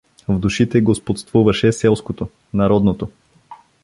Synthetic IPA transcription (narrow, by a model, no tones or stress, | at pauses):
vd̪uʃit̪ɛɡospot̪st̪vuvɐʃɛsɛlˠskot̪o | nɐɾɔd̪not̪o